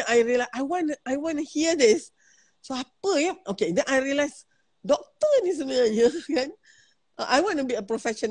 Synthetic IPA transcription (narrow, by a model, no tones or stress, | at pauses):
najɹiəlaʔajwɔ̃nʔajwɔ̃nuhiədis | soapəɛ̃mʔokẽdɛ̃najɹiəlajs | dɔk̚t̪ənĩs̬ənəjəkãn | ʔaʔajwɔ̃nubiəpɹofɛʃɔ̃n